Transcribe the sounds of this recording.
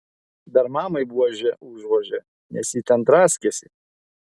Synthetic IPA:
d̪ɐɾmɑːmɐɪbuɔʒʲɛʔʊʒʋoːʒʲɛ | nʲɛ̰sʲiːt̪ʲɛnt̪ɾɑːsʲkʲɛsʲɪ

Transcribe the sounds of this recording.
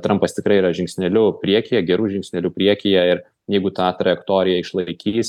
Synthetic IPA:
t̪ɾɐmpɐst̪ʲɪkɾɐɪiːɾɐʒʲɪŋksʲnʲɛlʲʊpʲɾʲiɛkʲɪjɛɡʲɛɾuːʒʲɪŋksʲnʲɛlʲuːpʲɾʲiɛkʲɪjɛɪɾ | jɛɪɡʊt̪ɑːt̪ɾɐjɛkt̪oːɾʲɪjɛɪʃlˠɐɪkʲiːs

